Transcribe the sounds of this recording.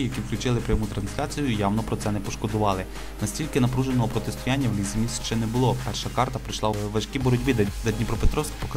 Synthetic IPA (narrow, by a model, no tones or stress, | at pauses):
jɐkʲiwklʲʊt͡ʃɪlˠɪpɾʲjɐmut̪ɾɐnsʲlʲat͡sʲijʊjawnɔpɾɔt̪sɛnɛpɔʃkɔd̪ʊʋɑlˠɪ | nɐsʲtʲilʲkɪnɐpɾuʒenɔɦɔpɾɔt̪est̪ʊjanʲːɐwlʲisemʲisʲʃʃt͡ʃɛnɛbʊlˠɔpɛrʃɐkɑrt̪ɐpɾɪjʃlˠɑʋɐʃkʲibɔɾɔdʲbid̪zɐdʲnʲipɾɔpet̪ɾɔwski̥pɔkɐ